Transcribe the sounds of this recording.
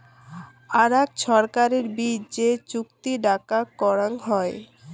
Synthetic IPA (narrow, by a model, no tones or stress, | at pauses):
aɾɛkʃɔɾkaɾeɾbid͡ʑet͡ɕukt̪iɖakakɔɾaŋɦɔe